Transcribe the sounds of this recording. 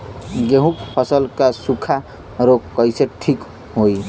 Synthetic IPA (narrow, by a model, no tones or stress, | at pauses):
ɡeɦũkpʰʌsʌlkasukʰa | ɾokːʌjseʈʰik | ɦoj